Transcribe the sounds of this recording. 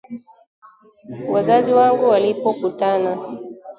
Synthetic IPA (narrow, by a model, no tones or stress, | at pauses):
wazaziwaŋɡuwalipɔkutana